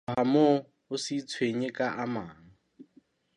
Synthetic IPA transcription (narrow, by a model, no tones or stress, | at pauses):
ɦamo | ʊsit͡sʰweɲɪkʼaʔamaːŋ̩